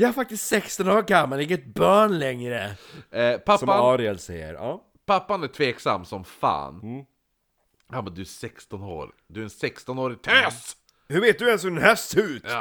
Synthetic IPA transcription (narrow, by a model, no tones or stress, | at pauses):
jahaɾfak̚t̪ɪst̪sɛkst̪ɔnoːɾɡamːalɪŋːət̪̚bœːɳlɛŋɾə | pʰasɔmːanɑːɾɪɛlsɛjːə̰ɾɑː | pʰapːanæʈʰveːksa̰mːsɔmfa̰ːn | hamɛnd̪ɵæʂɛkst̪ɔno̰ːɾɪd̪ɵæɾɛnsɛkst̪ɔnoːɾɪɡ̚t̪ʰɛːs | hɵɾveːt̪̚d̪ɵɛnshɵɖɛnhæːsʉːt̪